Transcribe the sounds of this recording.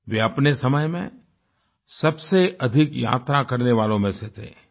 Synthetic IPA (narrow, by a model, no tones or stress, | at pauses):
ʋeɐpnesɐməjmḛ̃ | sɐbseɐd̪ʱɪkja̰ːt̪ɾakɐɾneʋaːlõmẽset̪ʰḛː